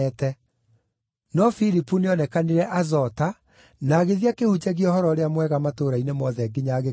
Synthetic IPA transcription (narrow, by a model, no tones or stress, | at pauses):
ɛtɛ | nɔfiɾipuneɔnɛkaniɾɛʔazɔta | naːɣeðiakehud͡ʑɛɣiɔhɔɾɔɾeamwɛɣamatoːɾainemɔðɛɡiɲaɣe